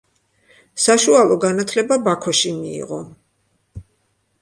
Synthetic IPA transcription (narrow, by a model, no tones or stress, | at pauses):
saʃualˠɔɡanat̪ʰlɛbabakʰɔʃimḭːʁɔ